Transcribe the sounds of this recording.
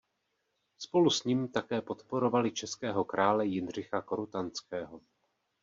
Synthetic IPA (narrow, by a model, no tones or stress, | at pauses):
spo̞lusɲiːmt̪akɛːpo̞t̪po̞ɾo̞valɪt͡ʃɛskɛːɦo̞kɾʔaːlɛjɪnr̝ɪxako̞ɾut̪ant͡skɛːɦo̞